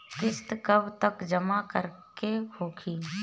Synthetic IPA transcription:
kɪst̪kəbt̪əkd͡ʒəmakəɾkehoːkʰiː

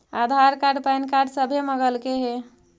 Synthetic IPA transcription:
ad̪ʱaɾkaɖpajnkaɖsəbʱeməɡəlkeɦe

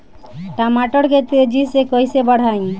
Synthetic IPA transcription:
ʈamaʈɔɽket̪ed͡ʒisekojsebəɽ̤aĩ

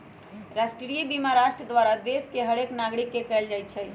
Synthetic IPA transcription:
ɾaʃʈɾɾiibimaɾaːʃʈɾəd̪ʋaːɾad̪eskeɦəɽeknaːɡɽikːekɛld͡ʒaːjt̪̚t͡ʃʰɛ

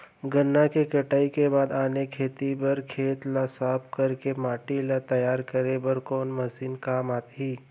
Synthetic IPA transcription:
ɡənːakekɐʈaːikebaːd̪aːnekʰeːt̪ibɐɾkʰeːt̪lasaːpʰkəɾkemaːʈilat̪ɐjaːɾkəɾebəɾkoːnmɐsiːnkaːmaːt̪ɦiː

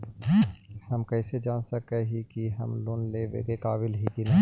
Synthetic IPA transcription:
hɐmkɛɪsed͡ʒaːnsɐkeɦikiɦɐmloːnleːʋḛːɡekaːbɪlɦikinɐ

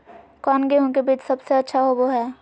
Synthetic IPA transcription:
kɔːnɡeɦõk̬ebiːt͡ʃsɐbseɐtːʃʰaɦoboɦɛː

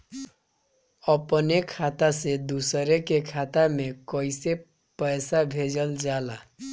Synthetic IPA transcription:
ʌpənekʰat̪ased̪usəɾekekʰat̪amekʌjse | pəjsabʱed͡ʒəld͡ʒala

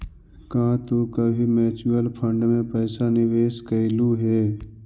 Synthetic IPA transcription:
kãːt̪okəbʱimɛːt͡ʃuəlpʰə̃ɳɖmẽpəːsanɪʋeːʃkəɪluɦɛː

